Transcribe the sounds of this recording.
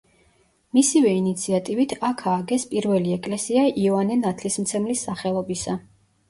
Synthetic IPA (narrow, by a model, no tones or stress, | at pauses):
misivɛinit̪sʰiat̪ʼivit̪ʰakʰaːɡɛspʼiɾvɛliɛkʼlɛsiaʔiɔvanɛnat̪ʰlismt̪sʰɛmlisːaχɛlˠɔbisa